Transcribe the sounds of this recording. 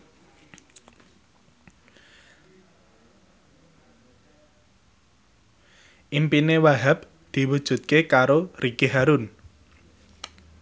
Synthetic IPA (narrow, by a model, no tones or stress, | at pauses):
ʔimpinewaɦap̚ | d̪̥i̤wud̥ʒ̥ṳt̪̚kekaɾoriɡ̥eɦaɾun